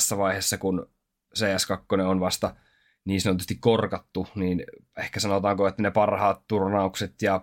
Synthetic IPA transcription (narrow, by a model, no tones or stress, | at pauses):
sːæʋɑihesːɑkun | seːæskɑkːoneonʋɑst̪ɑ | niːsɑnot̪ust̪ikkorkɑt̪ːuniːn | ehkæsɑnot̪ɑːŋkoet̪ːænepɑrhɑːt̪t̪urnɑukset̪jɑ